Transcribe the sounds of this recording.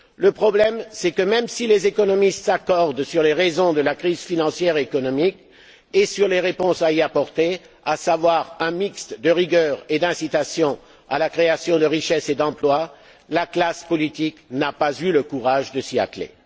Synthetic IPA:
ləpχɔblɛmsɛkəmɛmsilezekɔnɔmist̪sakɔʁd̪syʁleʁezɔ̃d̪əlakχizfinɑ̃sjɛʁeːkɔnɔmik | esyʁleʁepɔ̃saiapɔʁt̪e | asavwaʁɛ̃mikst̪d̪əʁiɡœːʁed̪ɛ̃sit̪asjɔ̃ | a̰lakχeasjɔ̃d̪əʁiʃɛsed̪ɑ̃plwa | laklaspɔlit̪iknapazyləkuʁaʒd̪əsia̰t̪lḛ

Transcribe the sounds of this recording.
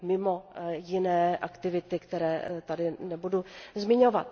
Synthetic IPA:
mɪmo̞jɪnɛːʔakt̪ɪvɪt̪ɪkt̪ɛɾɛːt̪adɪnɛbuduzmɪɲo̞vat̪̚

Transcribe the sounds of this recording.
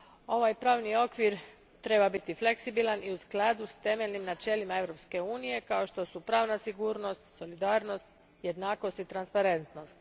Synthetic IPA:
o̞ʋaːjpɾaːʋnio̞kʋiɾ | t̪ɾe̞babit̪ifle̞ksibilˠaniusklˠad̪ust̪e̞melnimnat͡ʃe̞limae̞ʋɾo̞pske̞uːnije̞kao̞ʃt̪o̞supɾaːʋnasiɡuːɾno̞st̪so̞lid̪aːɾno̞st̪ | je̞d̪naːko̞st̪it̪ɾanspaɾe̞nt̪no̞st̪

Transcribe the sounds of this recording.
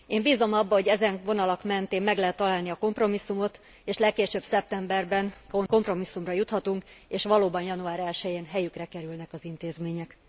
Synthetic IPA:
eːmbiːzo̞mɒbːɒɦo̞ɟɛzɛnvo̞nɒlɒkmɛnt̪eːmmːɛɡlɛɦɛt̪ːɒlaːlniɒko̞mpro̞misːumo̞t̪ | eːʃlɛkːeːʃøbsɛp̚t̪ɛmbɛrbɛnkoko̞mpro̞misːumrɒjut̪hɒt̪uŋkeːʃʋɒloːbɒnjɒnuaːɾɛlʃɛjeːnɦɛjykrɛkɛɾylnɛkɒzint̪eːzmeːɲɛk

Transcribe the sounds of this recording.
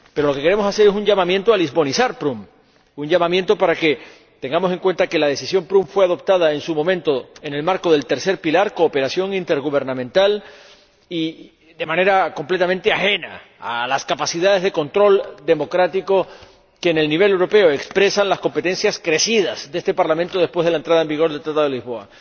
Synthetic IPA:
pe̞ɾo̞lo̞ke̞keɾemo̞sase̞ɾesuɲʝamãmje̞nt̪oalizβo̞nisaɾpɾum | uɲʝamãmjẽ̞nt̪o̞paɾake̞ | t̪e̞ŋɡamose̞ŋkwe̞nt̪ake̞laðe̞sisjo̞mpɾumfwe̞að̞o̞p̚t̪að̞aensumo̞mẽnt̪o̞ene̞lmaɾko̞ðe̞lt̪e̞ɾse̞ɾpilaɾko̞ːpe̞ɾasjo̞ŋint̪e̞ɾɣuβe̞ɾnãmẽnt̪al | i | ðe̞mãne̞ɾako̞mple̞t̪ament̪eaxe̞na̰ | alaskapasiðaðe̞zðe̞ko̞nt̪ɾo̞ld̪e̞mo̞kɾat̪iko̞ | keːne̞lniβ̞e̞lewɾo̞pe̞oekspɾe̞sanlasko̞mpe̞t̪ẽ̞nsjaskɾe̞siðazd̪eest̪e̞paɾlament̪oðespwezð̞e̞laent̪ɾaðaembiɣ̞o̞ɾðet̪ɾat̪aðlizβo̞a̰

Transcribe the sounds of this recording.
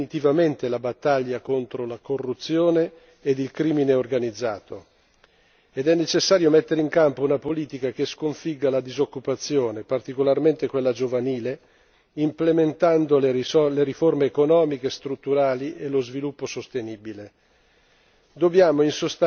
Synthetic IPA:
nit̪ivament̪elabat̪ːaʎːakont̪ɾolakorːut̪sːjoːneː | d̪ilkɾiːmineorɡanid̪zːaːt̪o | ed̪ɛnːet͡ʃesːaːɾjomet̪ːeɾeiŋkampounapoliːt̪ikak̟eskoɱfiɡːalad̪izokːupat̪sːjoːnepart̪ikolarment̪ekwelːad͡ʒovaniːle | implement̪and̪olleɾiformeːkonɔːmikest̪ɾut̪ːuɾaːliʔelozvilupːosost̪eniːbile | d̪objaːmoinsost̪a

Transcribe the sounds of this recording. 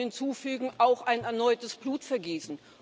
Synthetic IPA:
hɪnt͡suːfyːɡŋ̩ʔaʊxʔaɪnɛɐnɔʏtəsb̥luːtfɛɐɡiːsn̩

